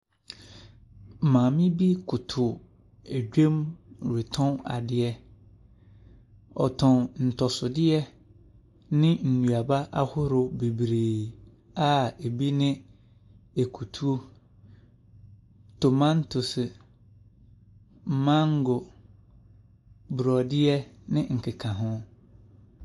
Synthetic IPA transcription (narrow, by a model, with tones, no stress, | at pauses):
mã˨mɪ̃˦bi˦kʰʊ˨tʰʊ˨ | e˨ɟᶣẽ˦mɾe˨tʰɔ̃˦na̰˨dɪ˨ɛ˦ | ɔ̰˨tʰɔ̃˨nn̩˨tʰɔ˨sʊ˨dɪ˦ɛ˦ | nɪ̃˦n̩˨nũ˨a˨ba˦ʔa˦hʊ˦ɾʊ˨be˨bɾeː˨ | a˨e˨bi˦nɪ̃˦ | e˨kʰu˨tʰu˦o˦ | to˨mã˦n˦tʰʊ˨sɪ˨ | mã˦ŋ˦ɡʊ˨ | bɾɔ˨dɪ˦ɛ˦nɪ̃˦ŋ̩˨kʰɪ˨kʰã˨ɦʊ̃˦